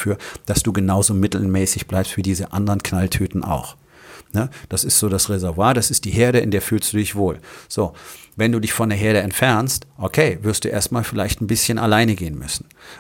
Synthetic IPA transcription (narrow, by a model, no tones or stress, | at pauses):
fyːɐd̥asd̥uːɡənaʊzoːmɪtl̩mɛːsɪçb̥laɪpstv̥iːdiːzəʔandəʁənkʰnaltʰyːtn̩ʔa̰ʊx | nəd̥asɪstz̥oːdasʁezɛɐvwaːɐd̥asɪst̚d̥iːɦeːɐɾəɪ̰ndeːɐfyːlstd̥uːdɪçv̥oːlz̥oːvɛnduːdɪçfɔndeːɐɦeːɐɾəɛntfɛɐnstʔokʰeːvɪɐstd̥uːʔḛːɐstmaːlfɪlaɪçtn̩bɪsçənʔa̰laɪnəɡeːənmʏ̰sn̩